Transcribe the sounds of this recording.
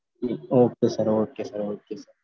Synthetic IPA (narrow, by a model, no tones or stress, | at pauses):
ioːk̚t̪osɐɾoːʈ̚kesɐɾoːʈ̚kesɐ